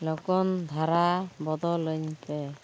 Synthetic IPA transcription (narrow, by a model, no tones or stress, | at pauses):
lɔkɔnd̪ʱaɾabɔd̪ɔlɯɲpɛ